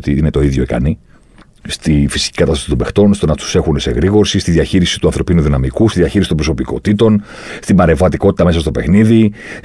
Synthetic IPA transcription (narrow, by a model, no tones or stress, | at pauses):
t̪iine̞t̪o̞iðʝo̞ikɐ̰ni | st̪ifisi̥cikɐt̪ɐst̪ɐsit̪obe̞xt̪o̞nst̪o̞nɐt̪u̥se̞xunese̞̰ɣɾiɣo̞ɾsist̪iðʝɐçiɾisi̥t̪uɐnθɾo̞pinuðinɐmikust̪iðʝɐçiɾisit̪bɾo̞so̞piko̞̰t̪it̪o̞n | st̪imɐɾe̞vɐt̪iko̞t̪i̥t̪ɐme̞sɐst̪o̞pe̞xniði